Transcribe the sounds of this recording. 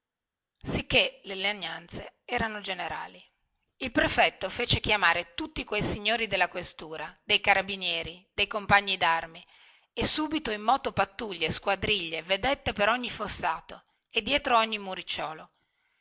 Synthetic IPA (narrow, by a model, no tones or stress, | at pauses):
sikːeleleaɲːant̪seɛːɾanod͡ʒeneɾa̰ːli | ilpɾefɛt̪ːofeːt͡ʃek̟jamaːɾet̪ut̪ːikwejsiɲːoːɾid̪elːakwest̪uːɾad̪ejkaɾabinjɛːɾid̪̥ejkompaɲːid̪armi | esːuːbit̪oimːɔːt̪opat̪ːuʎːeskwad̪ɾiʎːeved̪et̪ːepeɾɔɲːifosːaːt̪o | ed̪jɛːt̪ɾoɔɲːimuɾit͡ʃːɔːlo